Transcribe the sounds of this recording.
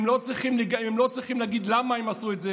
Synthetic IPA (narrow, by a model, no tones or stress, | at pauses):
mlot͡sɾiχimlɡiɛmlot͡sɾiχimleaɡid̪lamaɛmasuɛtzɛ